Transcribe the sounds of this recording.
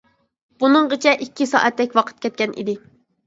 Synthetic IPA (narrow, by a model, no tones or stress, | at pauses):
b̥unɨŋɢət͡ʃʰɛʔikʲːisɑ̰ːʔɛt̪ːɛkʲwɑqʰə̥t̪̚kʲʰɛt̪̚kʲɛnʔḭd̪ɪ